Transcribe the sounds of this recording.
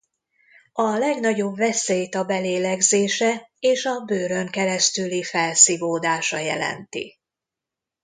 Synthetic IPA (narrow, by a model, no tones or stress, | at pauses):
ɒlɛɡnɒɟo̞bvɛseːjt̪ɒbɛleːlɛɡzeːʃɛeːʃɒbøːɾø̞ŋkɛɾɛst̪ylifɛlsivoːd̪aːʃɒjɛ̰lɛ̰nt̪ḭ